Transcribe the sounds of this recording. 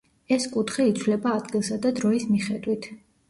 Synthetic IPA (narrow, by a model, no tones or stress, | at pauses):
ɛskʼut̪ʰχiit̪sʰwlɛbaːd̪ɡilˠsad̪ad̪ɾɔismiχɛd̪wit̪ʰ